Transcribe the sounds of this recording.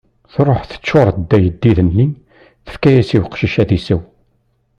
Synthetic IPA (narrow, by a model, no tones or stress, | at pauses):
θɾˤoħθə̥t͡sːoɾˤd̪ːæjəd̪ːiðənːi | θə̥fkæjæsiwqʃiʃæðisəw